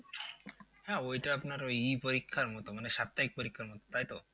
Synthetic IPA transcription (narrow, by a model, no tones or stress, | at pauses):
hɛojʈaapnaɾojipoɾikʰːaɾmɔt̪omaneʃap̚t̪aik̚poɾikʰːaɾmɔt̪o̥t̪ajt̪o